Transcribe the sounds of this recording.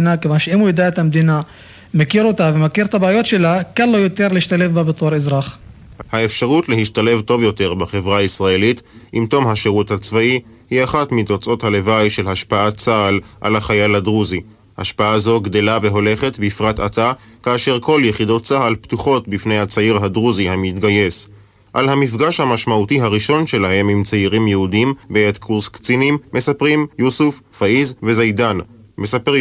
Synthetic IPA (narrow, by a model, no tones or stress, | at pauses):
nakevanʃeimujed̪aet̪amd̪ina | mekiʁo̞t̪avemakiʁt̪abeːjo̞tʃe̞lakanlojot̪e̞ʁleiʃt̪ale̞fbabet̪oʁezʁaχ | hae̞fʃaʁut̪le̞ɦiʃtale̞vto̞vjo̞te̞ʁbaχe̞vʁaisʁaelitʔimt̪o̞mɦaʃeʁuthat͡svai | hiaχatmit̪ot͡so̞thalevajʃe̞lhaʃpaat͡saalʔa̰laχajaladʁuzi | ha̰ʃpaazo̞ɡde̞lave̞ɦo̞le̞χe̞tbifʁatatakaːʃe̞ʁko̞ljeχido̞tt͡sahalptuχo̞tbifne̞jhat͡saiʁɦadʁuzihamitɡaje̞s | ʔalɦamifɡaʃhamaʃmautiɦaʁiʃo̞nʃe̞laɦe̞mimt͡saiʁimjehudimbeet̪kʰuʁskt͡sinimːe̞sapʁimjusuffaizvezajdanme̞sap